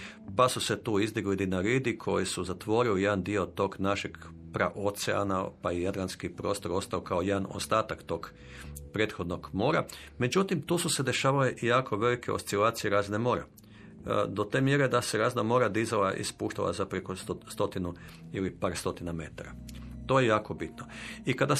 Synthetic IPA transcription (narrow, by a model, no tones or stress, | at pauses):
pasuse̞t̪uːizd̪iɡlid̪inaɾiːd̪ikʰo̞jisuzat̪ʋo̞ːɾilije̞d̪and̪io̞t̪o̞ːɡnaʃeɡ | pɾa̰ʔot̪sḛa̰napaijad̪lˠanskipɾo̞st̪o̞ɾo̞st̪aokaojed̪ano̞̰st̪aːt̪akt̪o̞ːɡ | pɾe̞ːt̪xo̞d̪no̞ɡmo̞ːɾa | me̞d͡ʒut̪imt̪uːsuse̞d̪e̞ʃaːʋaleʔjaːkʰo̞ʋe̞likʰe̞ost̪silaːt̪sijeɾaznemo̞ːɾa̰ | d̪o̞t̪e̞ːmjeɾe̞d̪ase̞ɾaːznamo̞ːɾad̪izalaʔḭspuːʃt̪a̰la̰zapɾekosst̪o̞t̪inu | ilipaːɾst̪o̞t̪iname̞t̪aɾat̪o̞jejaːko̞bit̪noikad̪a